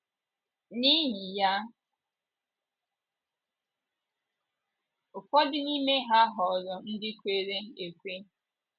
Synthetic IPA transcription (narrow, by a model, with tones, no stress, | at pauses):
ni˦ɲi˨ja˦ | ʊ˨fɔ˦dɪ˦ni˦me˦ɦa˦ɦɔ˨zɔ˨n̩˦dɪ˦kʷe˦ɾe˦e˨kʷe˦